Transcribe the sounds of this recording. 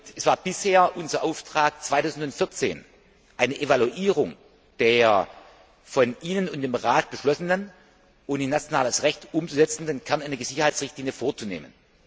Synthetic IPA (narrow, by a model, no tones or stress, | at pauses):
ɛsv̥aːɐb̥ɪsheːɐʔʊnzɐʔaʊftʁ̥aːk̚t͡sv̥aɪtaʊzn̩tʊntfɪɐt͡sḛːn | ʔaɪnəʔevaluʔiːʁ̞ʊŋ | d̥eːɐ | fɔnʔiːnənʊnt̚d̥eːmʁaːt̚b̥əʃlɔsənən | ʔʊnanat͡sjonaːləsʁɛçtʔʊmt͡suzɛt͡sn̩denkʰɛɐnaɪnɐɡəzɪçɐhaɪtsʁɪçtliːnjəfoːɐt͡sunḛːmə̰n